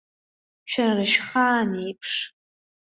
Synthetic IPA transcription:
ʃᶣararɨʃχaːnejpʰʂ

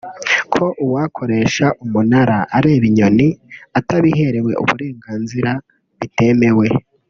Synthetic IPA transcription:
kʰo̞ʔuwaːkʰo̞ɾe̞ːʃaʔumunaɾaʔaɾe̞ːβiɲo̞niataβiɦe̞ɾe̞we̞̰ʔṵβṵɾe̞ːŋɡaːnziɾa | βite̞me̞we̞

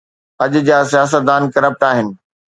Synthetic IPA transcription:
ɐʄʊd͡ʑaːs̬ijaːs̬ət̪̚d̪aːnkɐɾəp̚ʈaːɦɪnɪ̆

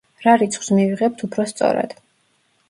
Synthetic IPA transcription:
ɾaɾit̪sʰχw̥smiviʁɛp̚t̪ʰupʰɾɔst̪sʼɔ̰ɾa̰d̪̥

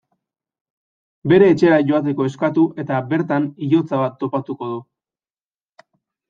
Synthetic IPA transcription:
be̞ɾe̞ːt͡ʃe̞aʝo̞at̪̬e̞ko̞e̞skat̪uʔe̞t̪abe̞ɾt̪aniʎo̞t͡saβat̪ːo̞pat̪uko̞ðu

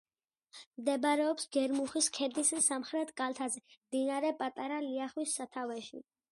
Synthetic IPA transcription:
md̪ɛbɾɛɔpsɡɛɾmuχiskʰɛɾd̪isisamχɾɛt̪ʰkʼalt̪ʰazɛmd̪inaɾɛpʼat̪ʼaɾaliaχwisːat̪ʰavɛʃḭ

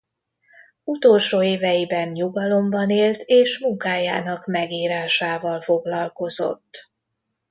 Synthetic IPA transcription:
ut̪o̞lʃoːeːvɛjibɛnɲuɡɒlo̞mbɒneːlt̪eːʃmuŋkaːja̰ːnɒkmɛɡiːɾaːʃaːvɒlfo̞ɡlɒlko̞zo̞̰t̪ː

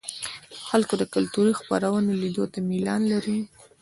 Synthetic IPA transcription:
xalkod̪əkʊlt̪uɾixpa̰ɾawənelid̪ot̪amilɑnlaɾi

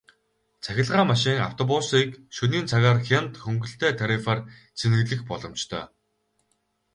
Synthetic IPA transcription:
t͡sʰæxʲɪ̆ɮʁaːmaʃiːŋa̰w̥t̪ʰɔpʊsiːkʃɵniːnt͡sʰaɣaːrxʲent̪xɵŋɡɵ̆ɬt̪ʰeːt̪ʰaɾifart͡sʰenɘ̆ɣɮɘ̆xpɔɮɞ̆mt͡ɕt̪ʰœ̰ː

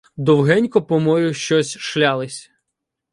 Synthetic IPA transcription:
d̪ɔwɦɛnʲkɔpɔmɔjʊʃt͡ʃɔsʲʃlʲalˠɪsʲ

